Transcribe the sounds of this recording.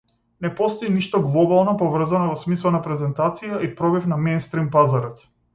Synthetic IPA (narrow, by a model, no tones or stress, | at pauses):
nɛpɔst̪ɔiniʃt̪ɔɡlˠɔbalˠnɔpɔvr̩zanɔvɔsmislˠanapɾɛzɛnt̪at̪sijaʔipɾɔbifnamejnst̪ɾimpazaɾɔt̪